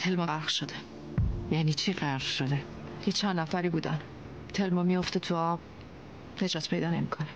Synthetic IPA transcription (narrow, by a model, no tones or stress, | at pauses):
t̪ʰelmɒaɾʁʃod̪e | jæːniːt͡ʃʰiːɢæɾʁʃod̪e | jet͡ʃʰænd̪næfæɾiːbuːd̪æn | t̪ʰelmɒmijoft̪et̪ʰuɒb | ne̞d͡ʒɒːt̪ʰpʰe̞jd̪ɒːne̞mikʰone